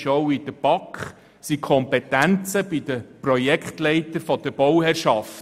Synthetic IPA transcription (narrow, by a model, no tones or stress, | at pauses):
ʃɔwid̥̪əb̥ɑkχ | sikʰχɔmpɛtænt͡səbid̪əprɔjɛkχtlɛɪt̪əfɔd̥əɾbɔwhɛɾʃɑft